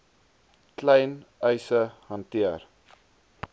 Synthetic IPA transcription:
klɛjnœjsəhɐntiər

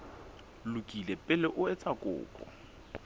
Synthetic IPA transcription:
lʊkʼilɛpʼɪlɪʔʊɛt͡sʼakʼʊ̰ːkʼɔ̰

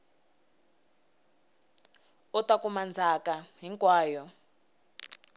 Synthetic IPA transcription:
ɔtakumand͡zʱakaɦiŋkwaːjɔ

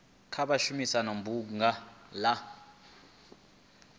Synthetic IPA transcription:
kʰaɓaʃumisanombuŋala

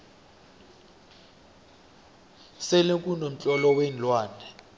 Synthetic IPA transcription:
selekʼunom̩t͡ɬʼɔlɔwenlwaːnɛ

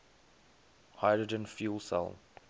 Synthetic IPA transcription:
haɪdɹəd͡ʒə̃nfjuːlˠsɛ̰lˠ

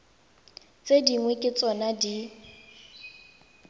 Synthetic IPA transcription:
t͡sʼediŋwekʼɪt͡sʼɔnadi

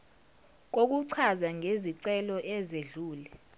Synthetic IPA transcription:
k̬ok̬uǀʰazaŋʱeziǀɛlɔʔɛzeɮuːlɛ

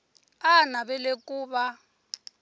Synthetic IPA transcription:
anaβɛlekʼuːβa

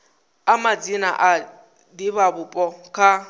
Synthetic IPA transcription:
amad͡zina̰ʔa | dibabʊpʼɔkʰa

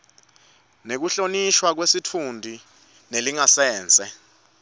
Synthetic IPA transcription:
nek̬uɬoniʃwak̬wesitʰundʱi | neliŋasɛːnt͡sʼɛ

